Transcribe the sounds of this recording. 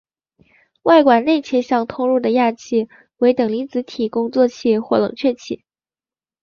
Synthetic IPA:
wa˥˩ɪkwa˨˩nne˥˩ɪt͡ɕʰjɛ˥ɕjɑ˥˧ŋt̪ʰʊ˥ŋɻu˥˩d̪ə˩ja˥˧t͡ɕʰi˥˩ | we˧˥ɪt̪ɤ˨˩ŋli˧˥t͡sɹ̩˧˥t̪ʰi˨˩kʊ˥ŋt͡swɔ˥˧t͡ɕʰi˥˧xwɔ˥˩lɤ̰˨˩ŋt͡ɕʰɥɛ˥˩t͡ɕʰḭ˥˩˦

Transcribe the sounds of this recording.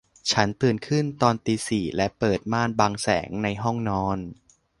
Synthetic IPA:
t͡ɕʰa˦˥nt̪ɯ˨˩ənkʰɯ˥˩nt̪ɔː˧nt̪iː˧siː˨˩lɛ˦˥pɤː˨˩t̪̚maː˥˩nbaː˧ŋsɛ̰ː˩˦ŋna˧jɦɔ˥˩ŋnɔː˦˥n

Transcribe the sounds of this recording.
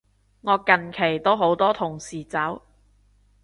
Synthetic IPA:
ŋɔː˨˧kɐ˨nkʰe˨˩jt̪o˥wɦo˨˥wt̪ɔː˥t̪ʰʊ˨˩ŋsiː˨˩t͡sɐ˨˥w

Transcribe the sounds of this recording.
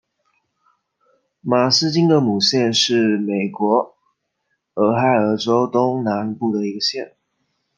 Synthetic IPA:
ma˨˩s̩˥t͡ɕi˥ŋd̪ə˨mu˨˩ɕjɛ˥˧nʂɻ̩˥˩me˨˩ɪkwɔ˧˥ | ə˧˥xa˥˩ɪə˧˥ʈ͡ʂo˥ʊt̪ʊ˥ŋna˧˥npu˥˩d̪ə˩i˧˥ɡə˧ɕjɛ˥˩n

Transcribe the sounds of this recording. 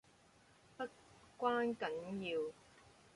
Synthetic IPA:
pɐ˥t | kʷwaː˥nkɐ˨˥njiː˧w

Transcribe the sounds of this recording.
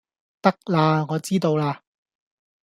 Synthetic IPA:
t̪ɐ˥k̚laː˧ŋɔː˨˧t͡siː˥t̪o˧wlaː˧

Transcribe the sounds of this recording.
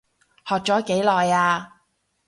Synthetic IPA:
hɔː˨k̚t͡sɔː˨˥ke˨˥jlɔː˨jaː˧

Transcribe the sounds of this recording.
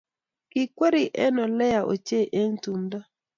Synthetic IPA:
kɪ˨kwe˦ɾi˨ʔɛ˦nɔ˨lɛ˦ja˨ʔo̰˨t͡ʃe˦˨ʔe˦ŋtu˨mda˦

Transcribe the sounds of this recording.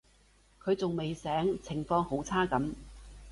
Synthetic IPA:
kʰɵ˨˧ɥt͡sʊ˨ŋme˨jsɛː˨˥ŋt͡sʰɪ˨˩ŋfɔː˧ŋho˨˥wt͡sʰaː˥kɐ˨˥m

